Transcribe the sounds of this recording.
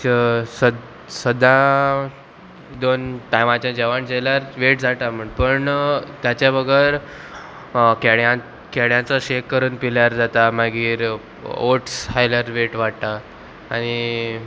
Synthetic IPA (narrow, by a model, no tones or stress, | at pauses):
sə | səd̪ʱã | d̪onʈajʋãt͡ɕãd͡ʑɛʋaɳd͡ʑɛljaɾʋeʈd͡zat̪am̤əɳpəɳt̪jat͡ɕjabəɡəɾ | kɛɽjã | kɛɽjãt͡saɕekːəɾuːnpiljaɾd͡zat̪amaɡiːɾ | oʈshajlaɾʋeʈʋaɽt̪aː | ɽ̃i